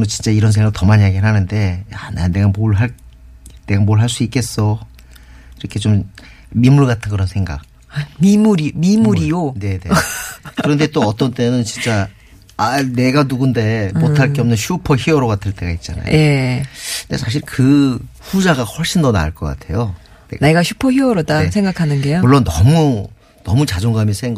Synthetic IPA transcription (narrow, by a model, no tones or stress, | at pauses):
nɯt͡ɕint͡ɕ͈aiɾʌnsʰeŋɡaktʌmaɲjaɡinɦanɯnde̞jana̰neɡamoɭɦaɭ | neɡamoɭɦaɭs͈uik͈e̞s͈ʌ | iɾʌkʰe̞t͡ɕomː | imuɭɡatʰɯnɡɯɾʌnsʰe̞ŋɡa̰k̚ | mimuɾimimuɾijone̞nḛkɯɾʌnde̞t͈oʌt͈ʌnt͈e̞nɯnt͡ɕint͡ɕ͈a | ane̞ɡanuɡunde̞motʰaɭk͈eʌmnɯnɕʰupʰʌçiʌɾoɡatʰɯɭt͈e̞ɡait̚t͡ɕ͈a̰na̰j̰e | ndesʰaɕ̬ʰiɭkɯɸud͡ʑaɡahʌɭɕ͈ʰindʌna̰ɯɭk͈ʌk͈a̰tʰe̞jo | ene̞ɡaɕʰupʰʌçiʌɾodaesʰeŋɡakʰanɯnɡejomuɭːonːʌ̰mu | nʌ̰mut͡ɕad͡ʑoŋɡamjʌnsʰeŋɡ